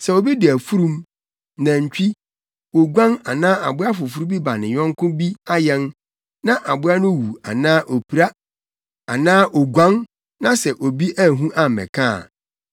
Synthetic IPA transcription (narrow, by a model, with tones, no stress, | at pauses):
sɛ˨o˨bi˦dɪ˨æ˨fu˦ɾũ˦m | nã˨ɲ̩˨t͡ɕᶣi˦ | wo˨ɡʷã˦ŋa˨nãː˦ʔa˨bʊ˦a˦fʊ˨fu˦ɾu˦bi˦ba˨nɪ̃˨ɲᶣɔ̃˦ŋ˦kʰʊ̃˦bi˦a˦jɛ˦n | nã˦ʔa˨bʊ˦a˦nʊ̃˦wu˨a˨nãː˦ʔo˨pʰi˨ɾa˦ | a̰˨nãː˦ʔo˨ɡʷã˦n | nã˦sɛ˨ʔo˨bi˦ʔæ˦˨ɦũ˦ʔa˨mɛ̰̃˨kʰã̰ː˦˨